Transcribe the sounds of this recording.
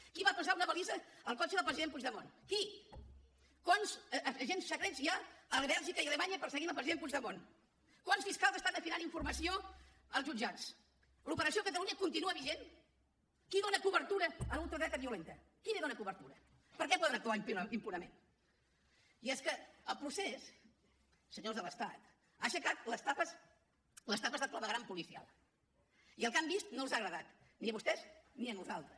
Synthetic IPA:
kiβapəsaunəβəlizəːlˠkɔt͡ʃəðəlpɾəziðempud͡ʒðəmonki | kwanzəʒenssəkɾezjaəlβɛlˠʒikəiəlemaɲəpəɾsəɣimlˠpɾəziðempud͡ʒðəmon | kwansfiskalˠzəst̪and̪əfinaniɱfurməsio | əlˠzʒud͡ʒat͡s | lupəɾəsiokət̪əluɲəkunt̪inuəβiʒen | kiðonəkuβəɾt̪uɾəəlulˠt̪ɾəɣɾɛt̪əβiulent̪ə | kileðonəkuβəɾt̪uɾə | pəɾkɛpɔðənək̚t̪aimpimpunəmẽn | iɛskəəlˠpɾusɛs | səɲozðələst̪at̪ | aʃəkat̪ləst̪apəs | ləst̪apəst̪at̪ləβəɣɾampulisia̰lˠ | iəlˠkambist̪nolˠzaɣɾəðat̪ | niəβust̪ɛzniənuzalˠt̪ɾəs

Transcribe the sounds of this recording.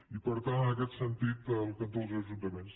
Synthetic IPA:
ipəɾt̪annəkɛt̪sənt̪it̪əlˠkənt̪olˠzəʒunt̪əmens

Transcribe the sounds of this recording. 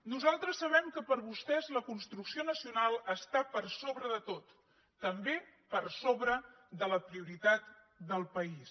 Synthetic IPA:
nuzalˠt̪ɾəsːəβ̞ɛmkəpəɾβust̪ɛzləkunst̪ɾuksionəsiunalˠəst̪apəɾsoβɾəðət̪ot̪ː | əmbepəɾsoβɾə | d̪ələpɾiuɾit̪at̪̚ | d̪əlˠpəis

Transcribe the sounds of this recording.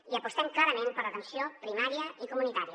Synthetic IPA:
iəpust̪ɛmklaɾəmẽnpəɾlət̪ənsijopɾimaɾiəikumunit̪aɾiə

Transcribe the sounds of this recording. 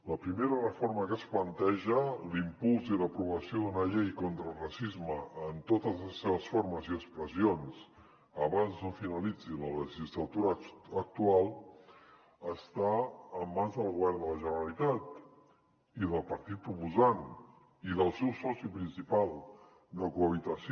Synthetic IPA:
ləpɾimeɾərəfoɾməkəsplənt̪ɛʒəlimpulˠziləpɾuβəsioðunəʎɛjkont̪ɾəlˠrəsizməːnt̪ot̪əzləsːeβəsfoɾməziəkspɾəzions | əβanznofinəlid͡zilələʒizlət̪uɾəək̚t̪ualˠ | əst̪aəmːanzðəlˠɣuβɛrnd̪ələʒənəɾəlit̪at̪ | iðəlˠpəɾt̪it̪̚pɾupuzan | iðəlˠsɛwsɔsipɾinsipalˠ | d̪əkuəβ̞it̪əs

